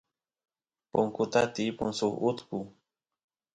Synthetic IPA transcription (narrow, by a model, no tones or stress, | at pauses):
poŋkʊt̪at̪ipʊŋsʊχʊt̪kʊ